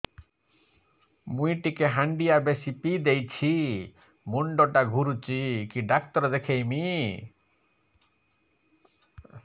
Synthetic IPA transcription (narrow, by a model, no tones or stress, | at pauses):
mujʈikeɦaɳɖijabesipid̪ejt͡ʃʰi | muɳɖɔʈaɡʱuɾut͡ʃikiɖak̚t̪ɔɾɔd̪ekʰejmi